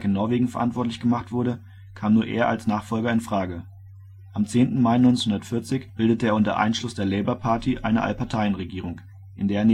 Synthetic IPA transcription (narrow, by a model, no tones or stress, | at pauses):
kɪnːɔɐveːɡŋ̩fɛɐʔantv̥ɔɐtlɪçɡ̥əmaχtv̥ʊɐɾə | kʰaːmnuːɐʔḛːɐʔalsnaːχfɔlɡɐɪnfʁ̥aːɡə | ʔamt͡seːntn̩maɪnɔʏnt͡senhʊndɐtfɪɐt͡sɪçb̥ɪldətəeːɐʊntɐ̰ʔa̰ɪnʃlʊsd̥eːɐlɛɪbɐpʰaɐtʰiʔa̰ɪnəʔa̰lpʰaɐtʰaɪənʁeɡiːʁ̞ʊŋ | ʔɪndeːɐn